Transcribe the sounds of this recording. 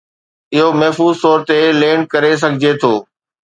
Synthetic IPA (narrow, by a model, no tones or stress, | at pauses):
ɪɦomɐɦfuːzt̪ɔːɾt̪eleːnkɐɾes̬ɐɡʱɪd͡ʑet̪ʰoː